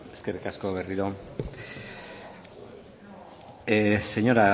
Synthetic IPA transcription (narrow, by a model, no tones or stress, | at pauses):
e̞ske̞rikasko̞βe̞riɾo̞ | se̞ɲo̞ɾa